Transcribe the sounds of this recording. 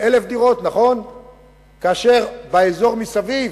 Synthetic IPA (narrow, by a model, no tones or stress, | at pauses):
elefd̪iʁo̞t̪naχo̞n | kaːʃe̞ʁbaezo̞ʁmisaviv